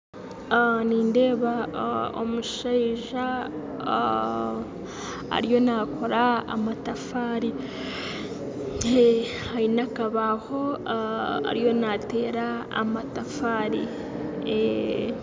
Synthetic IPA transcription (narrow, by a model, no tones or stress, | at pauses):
niːnde̞ːβao̰muʃaiʒa | a̰ɾijo̞nakʰo̞ɾaa̰matafaːɾi | e | haɾinakaβaho̞ | a̰ɾijo̞nate̞ːɾa̰ːmatafaːɾḭ | e